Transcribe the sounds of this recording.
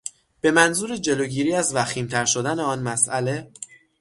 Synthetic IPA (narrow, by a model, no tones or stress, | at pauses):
b̥e̞mænzuːɾed͡ʒe̞loɟiːɾiːæzvæxiːmt̪ʰæɾʃo̞d̪æne̞ɒːnmæsʔæle̞